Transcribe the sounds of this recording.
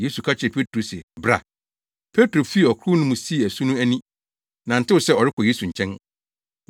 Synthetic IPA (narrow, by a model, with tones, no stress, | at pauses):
je˦su˨kʰa˦t͡ɕʰɪ˨ɾpʰe˦tʰɾo˨sɪ˨bɾa̰˨ | pʰe˦tɾo˨fi˦˨ɔ˨kʰʊ˦nʊ̃˦mũ˨si˦˨æ˨sũ˦nʊ̃˦æ˦nĩ˦ | nã˨n̩˨tɪ˦ʊ˨sɛ˦ɔ˨ɾɪ˦kʰɔ˨je˦su˨ɲ̩˨t͡ɕʰɛ̃˦n